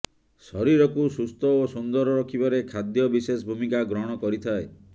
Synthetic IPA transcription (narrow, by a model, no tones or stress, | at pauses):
sɔɾiɾɔkusust̪ʰɔosund̪ɔɾɔɾɔkʰibɔɾekʰad̪jɔbisesbʱumikaɡɾɔɽ̃ɔkɔɾit̪ʰae